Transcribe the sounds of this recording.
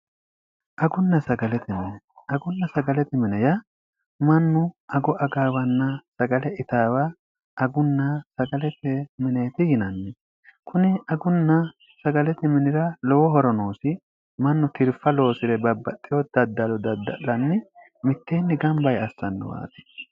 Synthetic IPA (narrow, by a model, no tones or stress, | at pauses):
ʔɐɡʊnːɐsɐɡɐlɛt̪ɪmɪnɛ | ɐɡʊnːɐsɐɡɐlɛt̪ɪmɪnɛjɐ | mɐnːʊʔɐɡɔʔɐɡaːwɐnːɐsɐɡɐlɛʔɪt̪aːwa | ʔɐɡʊnːasɐɡɐlɛt̪ɛmɪneːt̪ɪjɪnɐnːɪ | kʰʊnɪɐɡʊnːɐ | sɐɡɐlɛt̪ɪmɪnɪɾɐlɔwɔɦɔɾɔnoːsɪ | mɐnːʊt̪ʰɪɾfɐlo̞ːsɪɾɛbɐbːɐt̪ʼːɪjɔd̪̥ɐd̪ːɐlɔd̪ɐd̪ːɐ̰ʔɐnːɪ | mɪt̪ːeːnːɪɡɐmbɐjɐsːɐnːɔ̰wa̰ːt̪ɪ̥